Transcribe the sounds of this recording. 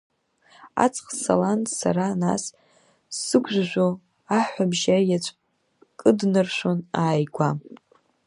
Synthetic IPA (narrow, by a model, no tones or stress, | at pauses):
a̰t͡sʰʼχsa̰lantsaɾana̰sː | ɨɡʷʰʼʒʷʒᶣʷo | aħʷabʒajat͡ʃʷʰʼ | kʼɨdnɨrʃʷonaːjɡʷa